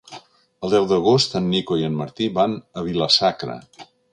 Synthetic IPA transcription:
əlˠd̪ɛwd̪əɣ̞ost̪ənːikoiənməɾt̪iβanəβ̞iləsakɾə̰

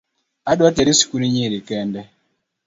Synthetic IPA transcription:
aɗuatɛɾisi̥kuniɲiɾikɛndɛ

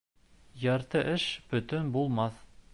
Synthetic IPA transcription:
jɑɾt̪ɤʔɘʃb̥ɵ̆t̪ɵnbulˠmɑθ

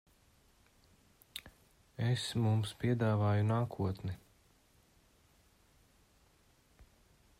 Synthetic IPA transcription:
esmumspiɛd̪aːvaːjunaːkʰuɔt̪ni

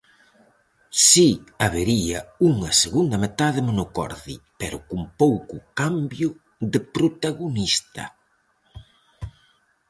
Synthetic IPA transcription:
siaβeɾiɐuŋɐseɣund̪ɐmet̪aðɪmonokɔ̰ɾðḭpɛɾʊkumpowkʊkambjʊ | ðɪpɾot̪aɣonist̪ɐ̰

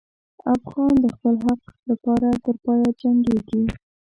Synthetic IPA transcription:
afɣɑnd̪əxpəlɦaqlapɑɾat̪əɾpɑjad͡ʒaŋɡeɡi

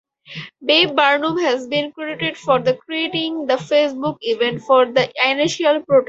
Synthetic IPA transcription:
beːbbaːɾnũːmɦæzbĩːnkɾeɖɪʈeɖfɔːɾd̪əkɾieːʈɪ̃ŋd̪əfeːsbʊkiʋẽɳʈfɔːɾd̪əaɪnɪʃiəlpɾoːʈ

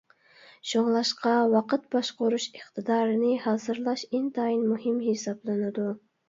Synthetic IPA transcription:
ʃoŋlˠɑʃqɑwɑqət̪̚bɑʃqoɾuʃəχt̪ʰɨd̪ɑːɾɨnɨhɑːzɨɾlˠɑʃent̪ʰɑinmuhɪmhesɑblˠɨnɨd̪u

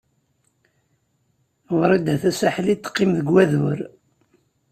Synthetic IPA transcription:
ʁɾˤid̪æθæsæħlit̪ːqːimðəɡwæðʊɾ

